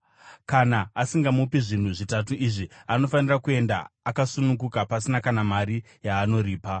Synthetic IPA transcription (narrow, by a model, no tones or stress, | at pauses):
kanaːsiŋɡamupiʐin̤uʐitat̬uʔiʐiano̞fanirakue̞nda̰ːkasunukukapasinakanamaɾi | jaːno̞ɾiːpa